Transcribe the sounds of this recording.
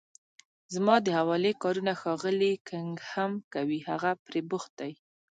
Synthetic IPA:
zmɑd̪əhawɑlekɑɾunaxɑɣəlikʰəŋɡhamkawihaɣapɾebʊxt̪̚aj

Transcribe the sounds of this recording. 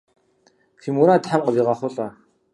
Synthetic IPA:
tʰimuɾatħamqəbiːʁaχʷʊɬʼa

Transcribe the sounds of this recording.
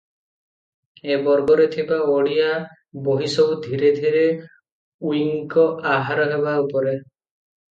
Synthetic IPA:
ebɔɾɡɔɾet̪ʰibaoɽia | boɦisɔwd̪ʱiɾed̪ʱiɾe | wiŋkɔʔaɦaɾɔɦebaupɔɾe

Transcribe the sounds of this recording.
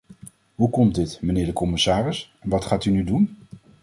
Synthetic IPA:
ɦukɔm̚dɪtmənɪːɹdəkɔmɪsaːrɪsɛnʋɑtχaːtynydun

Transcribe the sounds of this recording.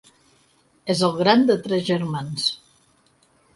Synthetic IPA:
ezəlˠɣɾand̪ət̪ɾɛzʒəɾmans

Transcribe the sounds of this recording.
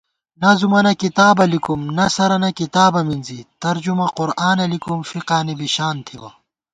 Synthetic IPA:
nɐzumɐnɐkit̪aːbɐlikumnɐsɐɾɐnɐkit̪aːbɐminzit̪ɐɾd͡ʑumɐquɾaːnɐlikumfiqaːnibiɕaːnt̪ʰiwɐ̰

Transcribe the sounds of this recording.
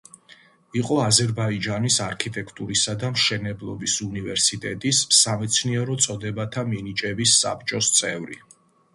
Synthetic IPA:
iqʼɔazɛɾbaid͡ʒanisaɾkʰit̪ʼɛkʰt̪ʼuɾisad̪amʃɛnɛblˠɔbisunivɛɾsit̪ʼɛt̪ʼisːamɛt̪sʰniɛɾɔt̪sʼɔd̪ɛbat̪ʰaminit͡ʃʼɛbisːa̰pt͡ʃʼɔst̪sʼɛvɾḭ

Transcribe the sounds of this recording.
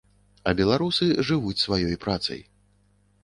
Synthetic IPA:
ɐbʲɛlˠaɾusɨʐɨvut͡sʲsvajɔjpɾat̪sɐ̰j

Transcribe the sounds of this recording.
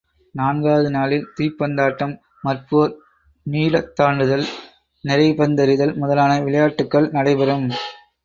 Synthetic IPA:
naːnɡaːʋɐðɯnaːlɪlt̪iːpːɐnd̪aːʈːɐmː | ɐrpuʋɐɾ | niːlɐt̪ːaːɳɖɯðɐl | nɪɾɐɪpɐnd̪ɐɾɪðɐlmʊðɐlaːnɐʋɪɭɐjaːʈːɯkːɐɭnɐɽɐɪpɐɾɯm

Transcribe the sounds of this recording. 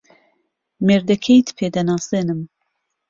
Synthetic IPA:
meːɾd̪ɛkʰejt̪ʰpʰeːd̪ɛnɑːseːnɨm

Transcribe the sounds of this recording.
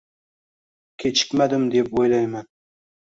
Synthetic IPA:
kʲʰet͡ʃʰɪ̥kʲmad̪ɪmd̪epojlajman

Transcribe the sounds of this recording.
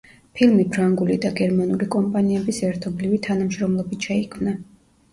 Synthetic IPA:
pʰilmipʰɾaŋɡulid̪aɡɛɾmanulikʼɔmpʼaniɛbisɛɾt̪ʰɔblivit̪ʰanamʃɾɔmlˠɔbit̪ʃɛikʰmna

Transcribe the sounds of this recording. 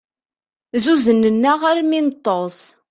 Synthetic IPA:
zuzənːənːaʁaɾminət̪ˤːos

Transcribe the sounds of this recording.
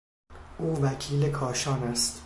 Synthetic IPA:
ʔuːvæcʰiːlekʰɒːʃɒːnæst̪

